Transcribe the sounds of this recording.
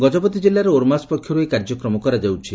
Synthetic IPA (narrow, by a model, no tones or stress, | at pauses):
ɡɔd͡ʒɔbɔt̪id͡ʒelaɾeoɾmaspɔkʰːjɔɾuekaɾd͡ʒɔkɾɔmɔkɔɾad͡ʒawt͡ʃʰi